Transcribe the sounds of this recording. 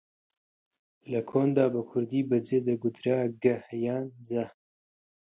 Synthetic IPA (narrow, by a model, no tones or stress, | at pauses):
lɐkʰoːnd̪aːbɐkʰʊɾd̪iːbɐd͡zeːd̪ɐɡʊd̪ɾaːɡɐhjaːnzɐ